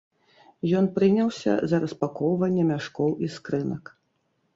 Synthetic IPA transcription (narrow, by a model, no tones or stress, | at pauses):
jɔnpɾɨnʲɐwsʲɐ̰zɐɾɐspakɔwvɐnʲːɛmʲaʂkɔwiskɾɨnɐk